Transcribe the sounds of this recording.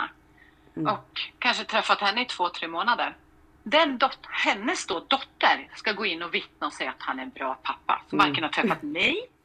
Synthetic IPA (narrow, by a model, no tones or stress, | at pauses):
a̰ | ɔkʰːanʂət̪ʰɾɛfːat̪hɛnːəɪt̪ʰv̥oːt̪ʰɾeːmoːnad̪əɾ | d̪ɛnd̪ɔthɛnːəsd̪od̪ɔt̪ːəɾskaɡoːɪnːɔvɪt̪̚naɔsɛjat̪hanæɾɛnbɾɑːpʰapːa̰sɔmaɾkənhaʈʰɾɛfːat̪mɛj